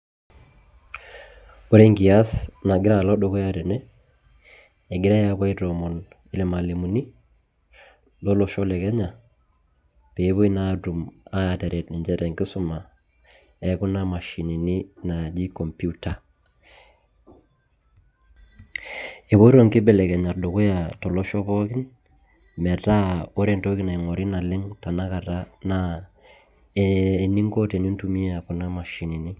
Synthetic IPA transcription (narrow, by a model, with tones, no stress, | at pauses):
o˦ɾe˦ŋɡi˨a˦sna˨ɡɪɾa˦˨lɔ˦ɗɔ˦kɔ˦ja˦ɾɛ˨nɛ˦ | ɛ˨ɡɪ˦ɾa˦ja˦βa˦i˦ɾɔ˨mɔ˨n | ɪ˦lɛ˨ma˨li˨mu˨ni˦ | lɔ˦lɔ˨ʃɔ˦lɛ˨kɛ˦ɲa˨ | pe˨˦βo˦i˦na˦du˨ma˦ja˨ta˨ɾɛ˨tnɪ˨ɲd͡ʒɛ˦ɾɛ˨ŋɡɪ˦sʊ˦ma˨ | ɛ˨˦kʊ˦na˦ma˨ʃi˨ni˨ni˦na˨d͡ʒi˦kɔ˨mpu˦ta˨ | e˨bo˦ɾo˦ŋkɪ˦bɛ˨lɛ˨kɛ˨ɲa˨rdo˨kʊ˦ja˨tɔ˨lɔ˦ʃɔ˦pɔ˦kɪ˦n | mɛ˨ta˦o˦ɾe˦nto˦kɪ˦na˨ɪ˨ŋɔ˨ɾɪ˦na˨lɪ˦ŋta˨na˦ka˨ta˦na˦˨ | ni˦ŋkɔ˦te˨ni˦ntu˦mi˦a˨kʊ˦na˦ma˨ʃi˨ni˨ni˦